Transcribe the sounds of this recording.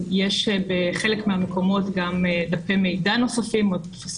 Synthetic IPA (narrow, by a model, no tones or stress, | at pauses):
jeʃbeχelekmeameko̞mo̞tɡamdapeme̞jdano̞safimot̪fas